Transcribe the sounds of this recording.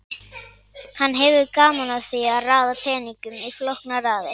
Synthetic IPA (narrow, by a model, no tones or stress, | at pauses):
hanːɦɛvʏkaːmanaθiaðraːðapʰɛːniŋkʏmiflohknaraːðɪ